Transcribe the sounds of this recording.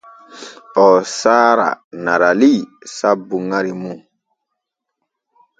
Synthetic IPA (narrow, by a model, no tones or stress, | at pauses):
ɔsaːɾa̰naɾalisabuŋaɾimũ